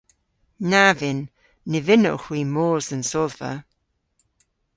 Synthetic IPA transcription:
navɪnː | ɪvɪnɔ̰wxwiːmɔːzənsɔðvə̰

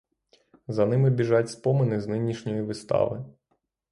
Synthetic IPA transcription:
zɐnɪmɪbʲiʒɑtʲspɔmɪnɪznɪnʲiʃnʲɔjiʋɪst̪ɑ̰ʋɪ̰

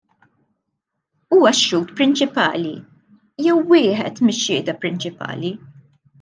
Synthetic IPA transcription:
uːwɐʃːuːt̪pɾɪnt͡ʃɪpɐ̰ːli | jɛwːɪːħɛ̰t̪mɪʃːɪːd̪ɐpɾɪnt͡ʃɪpɐ̰ːli

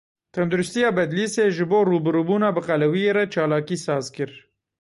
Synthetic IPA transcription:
t̪and̪ʊɾʊst̪ijabɐd̪liseʒɪboɾubɾubunabəqalawieɾat͡ʃɑːlɑːkisɑːzkəɾ

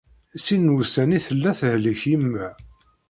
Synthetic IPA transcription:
sinwusæniθəlːæθhləçimːæ

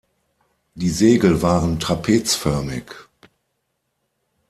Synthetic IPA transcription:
d̥iːzeːɡl̩vaːʁəntʁ̥apʰeːt͡sfœɐmɪ̰k

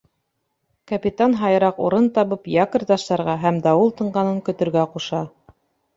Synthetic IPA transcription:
kɐpʲit̪anɦɑjɤ̆ɾɑqṵɾɤnt̪ɑβɤpjɑkɤ̆ɾt̪ɑʃt̪ɑɾʁɑɦæmd̪ɑulˠt̪ɤ̆ɴɢɑnɤŋkɵ̆t̪ɵ̆ɾɡæquʃɑ

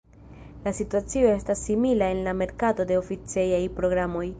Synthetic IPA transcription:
lasituat͡sio̞e̞stasːimilae̞nlame̞ɾkato̞de̞ofit͡sejajpɾo̞ɡɾamo̞j

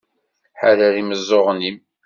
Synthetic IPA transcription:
ħalæɾiməzˤːoʁnim

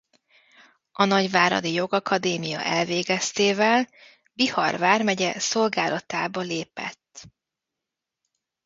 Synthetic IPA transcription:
ɒnɒɟvaːɾɒ̰d̪ijo̞ɡɒkɒd̪eːmijɒ̰ʔɛlveːɡɛst̪eːvɛl | bihɒ̰rvaːrmɛɟɛso̞lɡaːlʔɒt̪aːbɒleːpɛ̰t̪ː

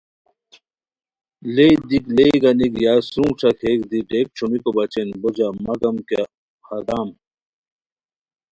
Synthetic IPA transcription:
leid̪ikleːɡɐnikjaːsũːʈ͡ʂʰɐkʰeːkd̪iʈeːk̚t͡ʃʰumikobɐt͡ɕenbod͡ʑamɐɡɐmka | xɐd̪aːm

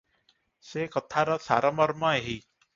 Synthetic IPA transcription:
seːkət̪ʰaːɾaːsa̰ːɾaːməɾmãːeɦiː

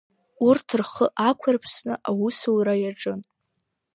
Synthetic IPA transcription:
urtʰɨrχəʔakʷʰarpʰsnɨʔawusowɾajaʈ͡ʂʼɨn

